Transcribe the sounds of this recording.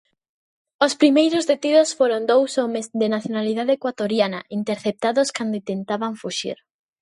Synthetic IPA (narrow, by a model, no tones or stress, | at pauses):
ospɾimejɾozðet̪iðosfoɾond̪owsomezðenaθjonaliðaðeekwat̪oɾjanɐ̰ʔint̪eɾθep̚t̪aðoskand̪oʊit̪ent̪aβaɱfuʃḭɾ